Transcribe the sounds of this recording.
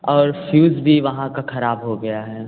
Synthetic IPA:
ɔːɾfjuːzbʱiʋɐɦãkaxɐɾaːbɦoɡɐjaɦɛː

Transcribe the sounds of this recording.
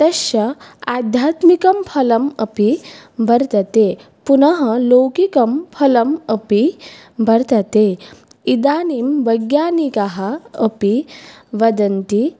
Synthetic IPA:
t̪ɐɕɐad̪ʱjaːt̪mikɐmpʰɐlɐmə̰pibʱɐɾt̪ɐt̪e | punɐɦɐlowkikɐmpʰɐlɐməpi | bʱɐɾt̪ɐt̪e | id̪aːnimʋɐjɡjaːnikaɦɐəpiʋɐd̪ɐnt̪i

